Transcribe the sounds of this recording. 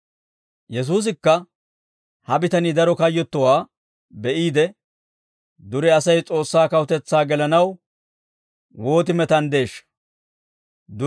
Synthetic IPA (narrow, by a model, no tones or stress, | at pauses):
jɛs̬uːs̬ɪkːɐ | hɐbɪt̪ɐnid̪ɐɾɔkɐjːɔt̪ːɔwaː | bɛʔiːd̪ɛ | d̪ʊɾɛɐsɐjt͡sʼo̞ːsːaːkɐwʊt̪ɛt͡sːaːɡɛlɐnɐw | wo̞ːt̪̬ɪmɛt̪ɐnd̪e̞ːʃːɐ̥ | d̪ʊ